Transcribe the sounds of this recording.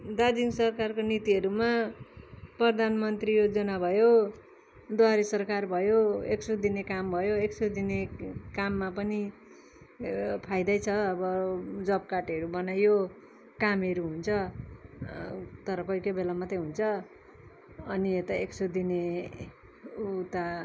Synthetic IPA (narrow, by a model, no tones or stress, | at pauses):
d̪ad͡z̪iŋsʌrkarkonit̪iɦʌɾuma | prʌrd̪ʱanmʌnt̪rijod͡zʌnabʱʌjo | d̪waɾisʌrkarbʱʌjoeksud̪inekambʱʌjoeksud̪inekamːapʌni | pʰajd̪ajt͡sʰʌːbʌd͡zʌb̚kaʈʌɾubʌnajo | kamʌɾuɦunt͡sʰʌ | t̪ʌɾʌkʌjkʌbelamat̪ʌjɦunt͡sʰʌ | ʌniet̪ʌeksod̪ine | ut̪a